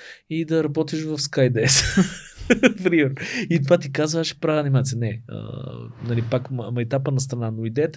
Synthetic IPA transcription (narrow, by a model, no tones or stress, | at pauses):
id̪ɐɾɐbɔt̪iʃvɐfskajd̪ɛs | fɾimɛɾit̪ovat̪ikazvəaʃɛ̥pɾavnimat̪siənɛə̰nɐlipakmmɐjt̪apənɐst̪ɾɐnanoid̪ɛət̪ɛ